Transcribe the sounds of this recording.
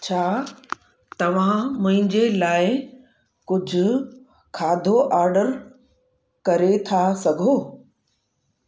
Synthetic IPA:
t͡ɕʰaː | t̪ɐʋ̤ãmʊ̃ɦɪ̃ɲd͡ʑelaːɪ | kʊd͡ʑʱʊ̆ | kʰaːd̪ʱoʔaːɾɖəɾ | kɐɾet̪ʰasɐɡʱoː

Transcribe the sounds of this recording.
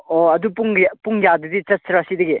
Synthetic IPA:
oɐdupuŋpuŋjadɐdit͡ʃɐt̚sɾasidɐɡe

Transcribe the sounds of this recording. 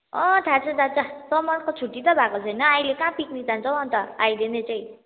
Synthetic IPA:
ʌ̃t̪ʰat͡sʌd̪ʱat͡sasʌmʌnkot͡sʰuʈːit̪ʌbʱakot͡sʰʌjnʌajlekãpiknid͡zʱãnt͡sʰʌwʌnt̪ʌajlenet͡saĩ

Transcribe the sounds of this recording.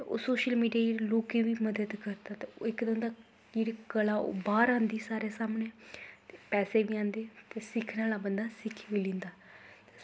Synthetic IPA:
t̪eo̰ːsoːʃəlmiːɖijaːjeloːkeːʋiːməd̪əd̪kəɾt̪aːt̪eːo̰ːɪkd̪ə̃nd̪aː | d͡ʒeːɽikəla̰ːbaːɾãːnd̪iːsaːɾeːsaːmneːt̪eːpɛːseːʋiːãːnd̪eːt̪eːsɪkʰnaːlaːbənd̪aːsɪkʰːʋiːlẽːnd̪aː | e

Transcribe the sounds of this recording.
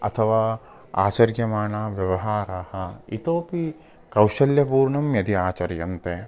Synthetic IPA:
ɐ̰t̪ʰɐʋaː | a̰ːt͡ʃɐɾjɐmaːɳaːʋjɐʋɐɦaːɾaːhɐ̆it̪oːpi | kɐwʃɐljɐpuːɾɳɐmjɐd̪iaːt͡ʃɐɾjɐnt̪e

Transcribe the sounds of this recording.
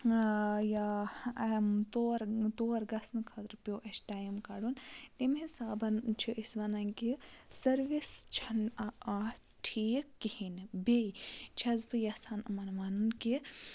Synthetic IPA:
ja | mt̪oːɾt̪oːɾɡɐsnɨkʰɐt̪ɾpʲjoːʔɐsʈaːjmkaɽunt̪imɦisaːbɐnt͡ʃʰiʔisʋɐnɐnkisɐɾʋist͡ʃʰɐnaa | ʈʰiːkːihinbeit͡ʃʰɐzbɨjɐsaːnɐmɐnmanunki

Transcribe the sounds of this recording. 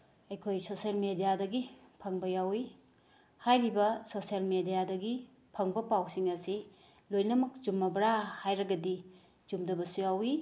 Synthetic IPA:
ɐjkʰojsosielmedijadɐɡipʰɐŋbɐjawi | hajɾibɐsosiɐlmedijadɐɡi | pʰɐŋbɐpawsiŋɐsi | lojnɐmɐk̚zumːɐbɾahajɾɐɡɐdi | z̥umdɐbɐsujawi

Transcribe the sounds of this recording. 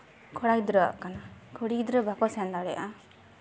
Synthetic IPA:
kʰɔɽakd̪ɾɔkanakʰɔɽikd̪ɾɔbakɔsɛnd̪aɽɛʔa

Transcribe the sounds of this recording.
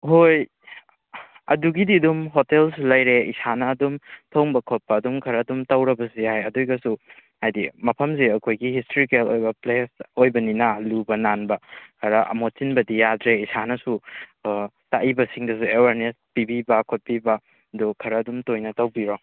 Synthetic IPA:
hoj | ɐ̰duɡididumɦotelsulɐjɾeisanɐːdumtʰɐwŋbɐkʰot̚pɐːdumkʰɐɾɐːdumtɐwɾɐbɐsihajɐdojɡɐsuhajdimɐpʰɐms̬iɐkʰojɡihistɾikelojbɐplesojbɐninɐlubɐnanbɐkʰɐɾɐʔɐ̰mot͡ʃinbɐdijadɾeisanɐsu | taʔibɐsiŋdɐs̬uewaɾnespibibɐkʰot̚pibɐ | dokʰɐɾɐːdumtojnɐtɐwbiɾoŋ

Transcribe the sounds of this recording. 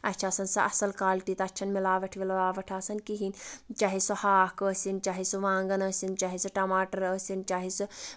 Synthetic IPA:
ɐtːt͡ʃʰaːsɐnsɐʔɐ̰sɐlkaːlʈiːt̪ɐɐtːʃʰɐnmilaːʋɐʈʰʋilʋaːʋɐʈʰaːsɐnkiɦint͡ʃaːɦisuhaːkəːsint͡ʃaːɦisuʋãːŋɡɐnəːsint͡ʃaːɦisuʈɐmaːʈɐɾəːsint͡ʃaːɦisu

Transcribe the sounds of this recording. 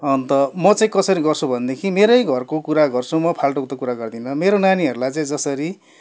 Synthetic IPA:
ʌnt̪ʌmʌt͡saĩkʌsʌɾiɡʌrt͡sʰubʱʌnd̪ekʰimeɾʌjɡʱʌrkokuɾaɡʌrt͡sʰumʌpʰalʈokt̪okuɾaɡʌrd̪inʌmeɾonaniʌɾulajt͡saĩd͡zʌsʌɾi

